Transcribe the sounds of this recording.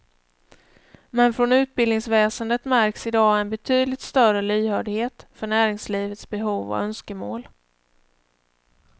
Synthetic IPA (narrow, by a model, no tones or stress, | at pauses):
mɛnfɾɔnʉ̟ːt̪̚bɪld̪nɪŋsvɛːsənd̪ət̪mæɾksɪd̪ɑːɛnbɛt̪ʰyːd̪lɪt̪st̪œrəlyːhœːɖɪheːt̪fœɳæːɾɪŋsliːvət̪sbɛɦuːvɔ̰œnskəmoːl